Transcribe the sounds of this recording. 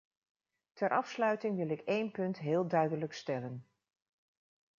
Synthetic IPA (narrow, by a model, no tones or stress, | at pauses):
tʰɛɾʔɑfslœɥtɪŋʋɪlˠɪkejnpɵntɦɪːlˠdœɥdələkstɛlən